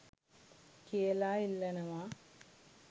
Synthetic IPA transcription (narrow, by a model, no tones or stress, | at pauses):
keːlaːilːɐnɐmaː